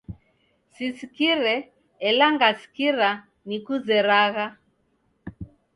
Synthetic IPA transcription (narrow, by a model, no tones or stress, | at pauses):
sisikiɾɛ | ɛlaŋɡasi̥kiɾa | nikuzɛɾaɣa